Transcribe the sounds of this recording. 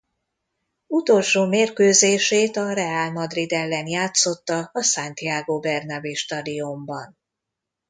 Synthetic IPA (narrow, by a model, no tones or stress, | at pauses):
ut̪o̞lʃoːmeːrkøːzeːʃeːt̪ɒrɛaːlmɒd̪rid̪ɛlːɛnjaːt̪so̞t̪ːɒːsant̪ijaːɡoːbɛrnɒbeʃt̪ɒd̪io̞mbɒn